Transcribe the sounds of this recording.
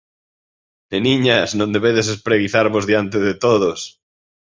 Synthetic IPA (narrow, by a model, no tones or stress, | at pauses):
eniɲasnõnd̪eβeðesespɾeɣiθaɾβozðjant̪̬eðet̪oðos